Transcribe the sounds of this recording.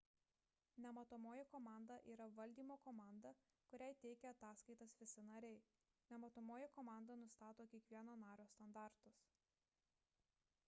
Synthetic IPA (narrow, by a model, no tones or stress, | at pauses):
nʲɛmɐt̪ʊmoːjɛkɔmɑˑnd̪ɐʔiːɾɐʋɐlʲd̪ʲiːmoːkɔːmɑˑnd̪ɐ | kʊɾʲæɪt̪ʲɛɪkʲɛɐt̪ɑːskɐɪt̪ɐsʋʲɪsʲɪnɐɾʲɛɪ | nʲɛmɐt̪ʊmoːjɪkɔːmɑˑnd̪ɐnʊst̪ɑːt̪oːkʲiɛkʋʲiɛnoːnɑːɾʲoːst̪ɐnd̪ɑˑɾt̪ʊs